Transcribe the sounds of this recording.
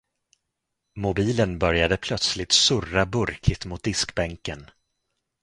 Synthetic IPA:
mʊbiːlənbœɾjad̪əpʰlœt̪slɪt̪sɵrabɵɾkʰɪt̪mʊt̪̚d̪ɪskbɛŋkən

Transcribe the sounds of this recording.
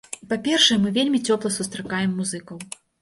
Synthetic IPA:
ipapʲɛrʂɐjɛmɨvʲelʲmʲit͡sʲɔplˠɐsust̪ɾakajɛmːuzɨkɐw

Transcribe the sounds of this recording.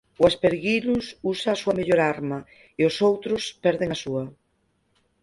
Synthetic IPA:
oaspeɾɣilususaːsuameʎoɾaɾma | eosowt̪ɾospɛɾðeŋasua

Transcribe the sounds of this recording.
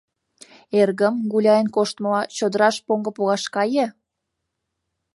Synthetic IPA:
erɣəmɡulʲɑjənkoʃt̪məlɑt͡ɕod̪əɾɑʃpoŋɡə̆puɣɑʃkɑjə

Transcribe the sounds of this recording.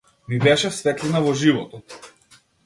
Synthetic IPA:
mibɛʃɛsvɛt̪linavɔʒivɔt̪ɔt̪

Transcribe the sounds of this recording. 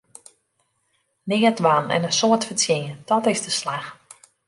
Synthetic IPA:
nɪːətʋanɛ̰nənsoətfətjeːəd̥ɔtɪzdəslax

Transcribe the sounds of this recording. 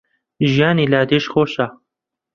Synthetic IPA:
ʒijaːnilaːd̪eʃxoːʃa

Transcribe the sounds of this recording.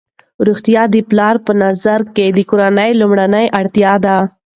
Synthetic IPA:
ɾuxt̪jɑd̪əplɑɾpənazaɾked̪əkʊɾanəjlumɽanəjʔaɽt̪jɑd̪a

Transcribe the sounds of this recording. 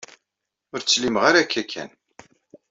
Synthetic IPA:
ʊɾt͡sːlimʁaɾakːækʰːæ̰n

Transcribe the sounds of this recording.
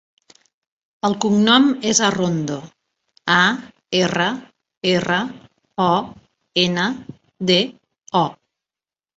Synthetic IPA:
əlˠkuŋnɔmezarond̪o | a | erə | erə | ɔ | enə | ðe | ɔ

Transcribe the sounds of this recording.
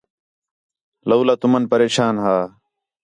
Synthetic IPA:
ləuːlaːt̪ʊmənpəɾeːʃaːnɦaː

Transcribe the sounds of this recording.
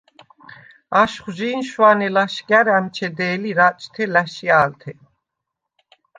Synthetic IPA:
aʃχʒiːnʃwanɛlaʃɡaɾæmt͡ʃʰɛd̪ɛːliɾat͡ʃʼt̪ʰɛlæʃiaːlt̪ʰɛ

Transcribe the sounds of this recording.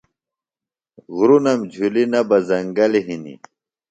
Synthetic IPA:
ɣuɾunɐmd͡ʑʱulinɐbɐzɐŋɡɐliɦinḭ

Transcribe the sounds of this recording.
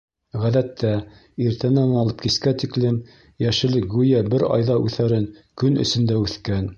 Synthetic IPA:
ʁæðæt̪ːæ | iɾt̪ʰænænɑlˠɤp̚kiskæt̪iklɘm | jæʃɘ̆lɘkɡʉjæbɘɾɑ̰jðɑʔʉθæɾɘnkɵnɵ̰̆sɵ̆nd̪æʉθkæn

